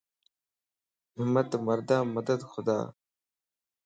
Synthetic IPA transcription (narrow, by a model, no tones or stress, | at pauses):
ɦɪmːɐt̪mɐɾd̪aːmɐd̪əd̪xʊd̪a̰ː